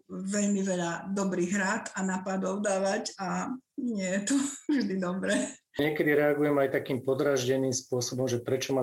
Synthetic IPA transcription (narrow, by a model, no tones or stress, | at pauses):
ʋɛʎmiʋɛʎad̪ɔbɾiːɣɦɾaːt̪anaːpad̪ɔʊd̪aːʋaɟanɪɛjɛt̪ɔʒd̪id̪ɔbɾɛː | ɲɪɛkɛd̪iɾɛaɡujɛmajt̪akiːmpɔd̪ɾaʒɟɛniːmspʊɔsɔbɔmʒɛpɾɛt͡ʃɔma